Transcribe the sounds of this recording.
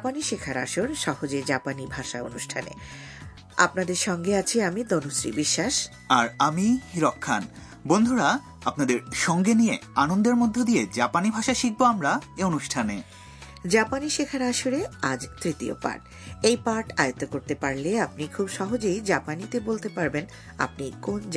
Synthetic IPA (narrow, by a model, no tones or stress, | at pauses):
paniʃekʰaɾaʃoɾʃɔɦod͡ʑed͡ʑapanibʱaʃao̰nuʃʈʰanḛ | a̰pnad̪eɾʃɔŋɡeat͡ɕʰeamid̪onusɾḭbiʃːaʃ | aɾamiɾɔkʰːan | bond̪ʱuɾa | apnad̪eɾʃɔŋɡenijeanond̪eɾmod̪ʱːod̪ijed͡ʑapanibʱaʃaʃik̚boamɾaeonuʃʈʰane | d͡ʑapaniʃekʰaɾaʃuɾead͡ʑt̪ɾit̪io̰pa̰ɾʈ | ejpaɾʈajot̪okoɾt̪epaɾleap̚nikʰubʃɔɦod͡ʑejd͡ʑapanit̪ebolt̪epaɾben | a̰p̚nikond͡ʑ